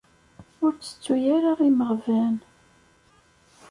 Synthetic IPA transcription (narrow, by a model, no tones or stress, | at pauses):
ʊɾt͡sːə̥t͡sːujaɾaʁiməʁvæn